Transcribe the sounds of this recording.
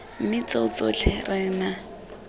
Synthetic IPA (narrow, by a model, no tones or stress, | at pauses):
m̩mɪt͡soʊt͡sʼot͡ɬʰɪrɪːna